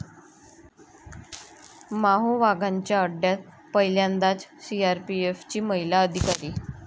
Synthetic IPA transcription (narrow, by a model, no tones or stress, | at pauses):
maɦoʋaɡʱaɲt͡ɕjaəɖjat̪̚ | pəɦjljand̪at͡ssiaɾpieft͡ɕiːməɦilaəd̪ʱikaɾiː